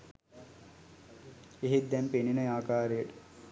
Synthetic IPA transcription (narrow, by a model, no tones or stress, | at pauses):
eɦid̪ɛmpeninəjaːkaːɾejəʈə̥